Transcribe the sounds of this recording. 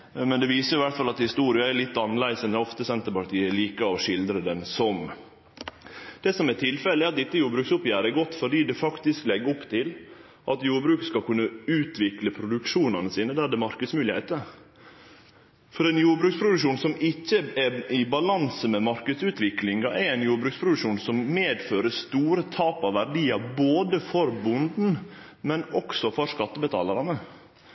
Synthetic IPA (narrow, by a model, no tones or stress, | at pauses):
mɛnd̪ɛʋiːsəjʊɪʋæɾʈ̪fɑlɑt̪hɪst̪uːɾɪɑæɾlɪt̪ːɑnːəlæɪsɛnɛɔft̪əsɛnt̪əɾpɑʈ̪ʰiːɛliːkəɔʂɪld̪ɾəd̪ɛnsɔm | d̪̥ɛsɔmɛʈʰɪlfɛləɛɾɑt̪̚d̪ɪt̪ːəjuːɾbɾʉːksʊpːjæːɾəɛɡɔt̪ːfɔɖiːd̪ɛfɑkt̪ɪsklɛɡːɔpt̪ʰɪl | ʔɑt̪juːɾbɾʉːkskɑlkʉnːəʉːt̪ʰʋɪkləpʰɾʊd̪ʉkʂuːnɑnəsiːnəd̪æd̪ɛmɑɾkəd̪smʉːlɪhæ̰ɪt̪ə | fɔɾɛnjuːɾbɾʉːkspʰɾʊd̪ʉʂuːnsɔmɪcːəɛɪbɑlɑnsəmɛmɑɾkəd̪sʉːt̪ʋɪklɪŋɡɑʔɛæɪnjuːɾbɾʉːkspʰɾʊd̪ʉʂuːnsɔmmeːd̪føːɾəst̪uːɾət̪ʰɑːpɑʋʋæɖiːɑboːd̪əfɔɾbʊnd̪n̩ | mɛnɔksɔfɔɾskɑt̪ːəbət̪ʰɑ̰ːlɑɾɑnə